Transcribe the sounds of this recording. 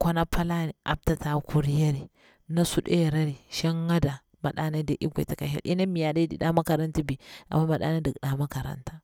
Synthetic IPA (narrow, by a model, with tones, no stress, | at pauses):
kʷo˦na˦pʰa˦la˦ni˨a̰˨b̚ta˨ta˨ku˨ɾi˦ja˦ɾi˨ | na˦su˦ɗe˦˨ɾa˦ɾi˨ʃa˦ŋːa˦da˨ | ma˨ɗa˦na˦da˨˦ʔi˦ɡʷa̰˨ta˨ka˨hḭ˦˨lʔi˦na˦mi˨ja˨da˦dḭ˨ɗa˦ma˦ka˨ɾa˦nti˦bi˨a̰˨mːa˦ma˨ɗa̰˦na˦da˨ɡɗa˦ma˦ka˨ɾa̰˦ntḁ˦